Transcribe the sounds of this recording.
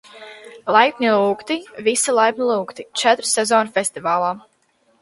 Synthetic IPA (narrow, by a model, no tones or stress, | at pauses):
lˠajpnʲilˠuːkt̪ivisilˠajp̚nʲilˠuːkt̪it͡ʃɛt̪ɾɨsɛzɔːnfʲest̪ivaːlˠaː